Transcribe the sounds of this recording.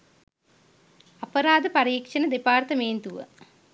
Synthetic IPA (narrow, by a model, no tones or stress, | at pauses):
ɐpɐɾaːd̪əpɐɾiːkʂɐnəd̪epaːrt̪əmeːnt̪uʋə̰